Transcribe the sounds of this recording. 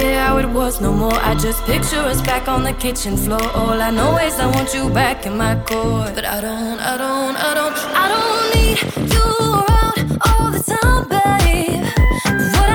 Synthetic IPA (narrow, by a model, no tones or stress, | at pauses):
ɛhaʊɪt̚wʌznoʊmɔɹʔa̰ɪd͡ʒʌspʰɪk̚t͡ʃə˞ʌsb̥ækn̩ðɨkʰɪt͡ʃɨ̃nflɔɹʔɔlˠaɪnɔlˠwizaɪwɑ̃nt͡ʃɨbækɨ̃nmaɪkʰɔɹb̥ʌɾa̰ɪɾõʊ̃nta̰ɪɾõʊ̃nta̰ɪɾõʊ̃nt | aɪɾõʊ̃nːidfulə˞aʊɾɔlˠðɨsãbɛi | wʌɾ